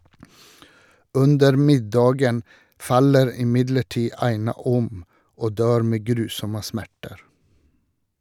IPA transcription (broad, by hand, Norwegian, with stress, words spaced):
ˈʉndəɾ ˈmɪdɑːɡən ˈfɑləɾ ɪˈmɪdləˌʈiː ˈɑɪnɑ ˈɔm ˈoː ˈdøːɾ ˈmeː ˈɡɾʉːsɔmə ˈsmæʈəɾ